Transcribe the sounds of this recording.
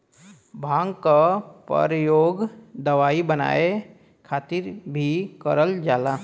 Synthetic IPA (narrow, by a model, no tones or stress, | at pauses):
bʱãːŋɡkapə̰ɾjoːɡd̪əʋaːibəna̰ːe | kʰaːt̪ɪɾbʱikəɾəld͡ʒaːla